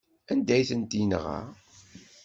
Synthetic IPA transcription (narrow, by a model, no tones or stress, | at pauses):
ænd̪æjθənd̪inʁa̰ʁ